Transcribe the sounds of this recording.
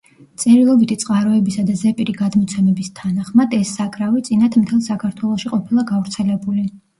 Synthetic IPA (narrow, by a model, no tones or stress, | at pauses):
t̪sʼɛɾilˠɔbit̪ʰit̪sʼqʼaɾɔɛbisad̪azɛpʼiɾiɡad̪mɔt̪sʰɛmɛbist̪ʰanaχmad̪ɛsːakʼɾavit̪sʼinat̪ʰmt̪ʰɛlˠsakʰaɾt̪ʰwɛlˠɔʃiqʼɔpʰilˠaɡavɾt̪sʰɛlɛbuli